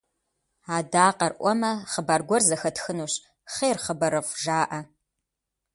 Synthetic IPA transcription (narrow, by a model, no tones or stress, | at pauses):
aːdaːqɐrʔʷɔmɐχəbarɡʷɔrzɐxɐtxɨnuːɕ | χeːrχəbɐɾɨfʷʒaːʔɐ